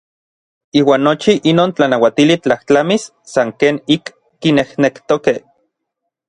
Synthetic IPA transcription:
iːwaːnːot͡ʃiʔinoːnt͡ɬanawat̪ilit͡ɬaht͡ɬamisːaŋkeːnikː | inehnekt̪okeh

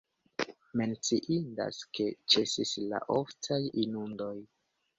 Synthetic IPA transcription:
me̞nt͡siʔinda̰ske̞t͡ʃe̞sisla̰ʔoftajinundo̞j

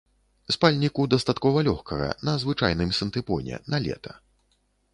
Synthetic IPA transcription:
spalʲnʲikud̪ɐst̪at̪kɔvɐlʲɔxkɐɣɐ̰nɐzvɨt͡ʂajnɨmsɐnt̪ɨpɔnʲɛ̰nɐlʲɛ̰t̪ʰɐ

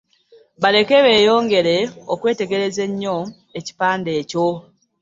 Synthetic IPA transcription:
βale̞ke̞βe̞ːjo̞ːŋɡe̞ɾe̞okweːte̞ɡe̞ɾe̞ze̞ɲːo̞ | e̞ci̥paːnde̞ːco̞

